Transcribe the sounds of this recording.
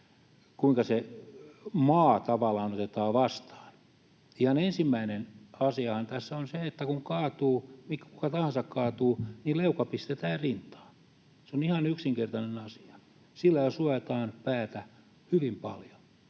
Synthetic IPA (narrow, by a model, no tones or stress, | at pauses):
kuiŋkɑse | mɑːt̪ɑʋɑlɑːnot̪et̪ɑːʋɑst̪ɑ̥ːn | ihɑnensimːæinenɑsiɑhɑnt̪æsːæonseet̪ːækuŋkɑːt̪uːmikkukɑt̪ɑhɑ̃nsɑkkɑːt̪uːnileukɑpist̪et̪æːrrint̪ɑ̥ː | seonihɑnyksiŋkert̪ɑnenɑsi̥ɑ̥ | silːæjɑsuɑt̪ɑːnpæːt̪æ | hyʋimpɑ̰ljo̥